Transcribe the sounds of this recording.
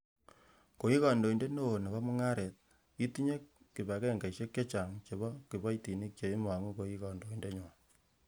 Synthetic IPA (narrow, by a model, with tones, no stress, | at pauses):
ko˨i˦ka˨ndo˨i˨nde˦no˦˨na˨βa˦mu˦ŋa˦ɾe˨t̚ | i˦tu˦ɲe˦k | kːi˨βa˨kɛ˦˨ŋɡa˨iʃe˦kje˦t͡ʃa˨ŋt͡ʃe˨βɔ˦ki˨ba˦iti˨ni˦k̚t͡ʃe˨i˦ma˨ŋu˦ko˨i˦kɔ˨ndo˨i˨nde˦ɲ˨